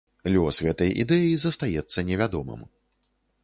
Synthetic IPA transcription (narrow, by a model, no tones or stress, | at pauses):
lʲɔsɣɛt̪ɐjʔḭd̪ɛjizɐst̪ajɛt̪sːɐnʲɛvʲad̪ɔmɨ̰m